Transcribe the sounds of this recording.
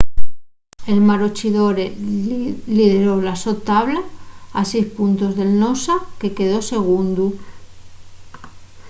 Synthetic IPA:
e̞lmaɾot͡ʃiðo̞ɾe | liðeɾo̞laso̞t̪ːaβlaːsejspunt̪o̞zðe̞lnosake̞ke̞ðo̞se̞ɣ̞und̪u

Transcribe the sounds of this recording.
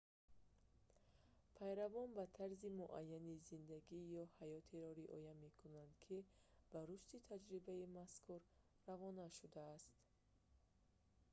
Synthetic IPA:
pʰajɾavɔnbat̪ʰaɾzimuʔa̰jːanizind̪aɡijɔhajɔt̪ʰiɾɔɾiʔɔ̰jame̞kʰunand̪kʰib̥aɾuʃt̪it̪ʰad͡ʒɾibaimaskʰuɾ | ravɔnaʃud̪aːst̪

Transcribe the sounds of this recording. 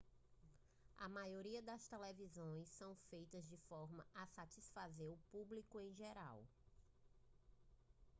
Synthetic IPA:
ɐ̰majoɾiɐd̪ɐst̪elevizõj̃sɐ̃w̃fejt̪ɐzd͡ʒɪfɔɾmɐɐsat͡ʃisfazeɾʊpublikʊẽj̃ʒeɾa̰w

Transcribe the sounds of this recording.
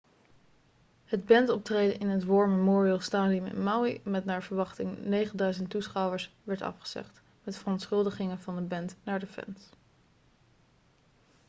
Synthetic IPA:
həd̚bɛntɔp̚trejdəʔɪnɦətʋɔɹməmɔːɹiəlˠstaːdiəmɪ̰nmawimɛtnaːɹvəɹʋɑχtɪŋnejχəndœɥzəntːusχɑwəɹsʋɛɹtɑ̰fχə̥z̥ɛ̰χt | mɛtfərɔntsχɵlˠdəχɪŋənvɑndəbɛntnaːɹdəfɛ̰ns

